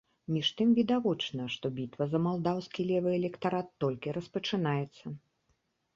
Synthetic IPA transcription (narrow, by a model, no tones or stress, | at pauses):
mʲiʂt̪ɨmvʲid̪avɔt͡ʂnɐʂt̪ɔbʲit̪vɐzɐmalˠd̪awskʲilʲɛvɨɛlʲɛkt̪aɾat̪ːɔlʲkʲiɾɐspɐt͡ʂɨnajɛt̪sːɐ